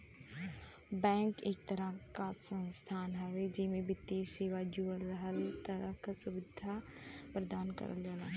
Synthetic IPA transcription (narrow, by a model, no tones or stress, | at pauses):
bɛ̃ːŋkeːk̚t̪ɐɾəkasə̃nst̪ʰaːnɦɛʋed͡ʒɪmẽbɪt̪ːeːseːʋad͡ʒuːɽɾəɦəlt̪ɐɾəkasʊʋɪd̪ʱa | pɾɐd̪aːnkɐ̰ɾə̰ld͡ʒaːlaː